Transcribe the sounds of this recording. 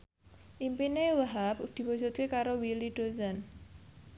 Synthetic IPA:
ʔimpinewaɦapd̪̥i̤wɔd͡ʒṳt̪̚kekaɾowiliɖ̥ozan

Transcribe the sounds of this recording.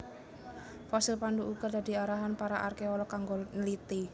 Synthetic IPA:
fasilpanduʔukad̪a̤d̪i̤aɾaɦanpaɾaʔarkeɔlɔkaŋɡonəlit̪i

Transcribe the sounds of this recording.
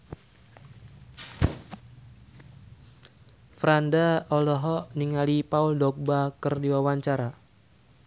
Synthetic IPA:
fɾandaɔlɔɦɔʔniŋalipauldɔk̚bakɨrdiwawaɲt͡ʃaɾa

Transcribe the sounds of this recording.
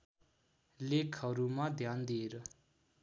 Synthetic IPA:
lekʰaɾumad̪jand̪eɾə

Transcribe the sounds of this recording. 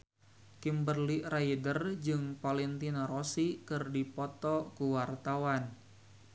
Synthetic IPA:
kimbərliʔraidərd͡ʒɨŋpalɛnt̪inaɾosikɨrdipɔt̪ɔkuwart̪awan

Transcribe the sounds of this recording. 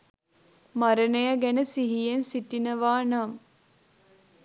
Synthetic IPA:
maɾənəjaɡænəsiɦijensiʈinəʋaːnam

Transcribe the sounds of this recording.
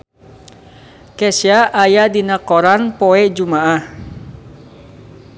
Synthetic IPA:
kɛsiaʔajadinakɔɾanpoɛd͡ʒumaʔah

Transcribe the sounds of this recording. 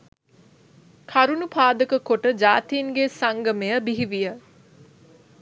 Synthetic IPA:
kʰaɾunupʰaːd̪əkəkoʈəd͡ʒaːt̪iːŋɡesaŋɡəmejəbiɦiʋijə

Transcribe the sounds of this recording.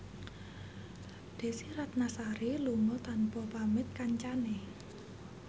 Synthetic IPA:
d̪̥e̤siɾat̪̚nasaɾiluŋɔt̪anpɔpamɪt̪̚kaɲt͡ʃane

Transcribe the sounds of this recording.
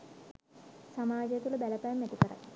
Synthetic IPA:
samaːd͡ʒjet̪uləbæləpɐjmːæt̪ikəɾa̰

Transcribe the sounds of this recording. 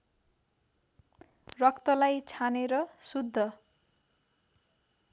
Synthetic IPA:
rʌkt̪ʌlajt͡sʰaneɾʌsud̪ʱːʌ

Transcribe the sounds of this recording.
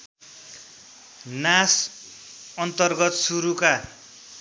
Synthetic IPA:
nas | ʌnt̪ʌrɡʌt̪suɾuka

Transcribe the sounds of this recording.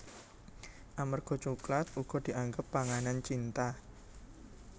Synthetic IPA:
ʔamərɡ̥ɔ̤t͡ʃuklat̪̚uɡ̥ɔ̤d̪̥i̤ʔaŋɡəpːaŋanant͡ʃint̪a

